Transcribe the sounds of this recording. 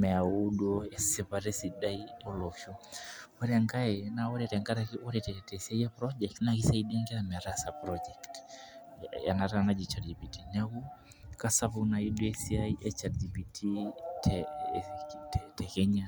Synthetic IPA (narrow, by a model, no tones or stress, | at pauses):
mɛaudɔɛssɛpaɾɛsidaiɔlɔʃɔwɔɾɛŋɡaɛnaɔɾɛɾɛŋɡaɾaɔɾɛtɛɛtɛɛsiaiapɾɔd͡ʒɛktnakisaiɗiaŋɡɛamɛaɾasapɾɔd͡ʒɛkt | ja̰naɾanad͡ʒit͡ʃaɾd͡ʒipitinaɣu | kasavunaiɗuɛsiaiʔɛt͡ʃaɾd͡ʒipitʰitʰɛ | ɛtɛkɛɲa